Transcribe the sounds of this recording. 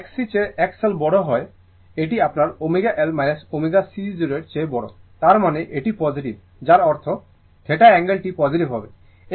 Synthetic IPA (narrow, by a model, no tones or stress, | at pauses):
ɛksit͡ɕeɛkselbɔɽoɦɔe | eʈiapnaɾomiɡaʔelmajnesomiɡasid͡ʑuɾeʈt͡ɕebɔɽo̰t̪aɾmaneʔeʈipɔd͡ʑiʈib | d͡ʑaɾɔɾt̪ʰo | t̪ʰeʈaɛŋɡelʈipɔd͡ʑiʈibɦɔbe | e